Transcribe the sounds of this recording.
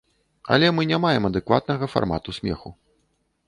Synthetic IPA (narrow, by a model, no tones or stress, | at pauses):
ɐ̰lʲɛmɨnʲamajɛmɐd̪ɛkva̰t̪̚nɐɣɐfa̰rma̰t̪usʲmʲɛ̰xu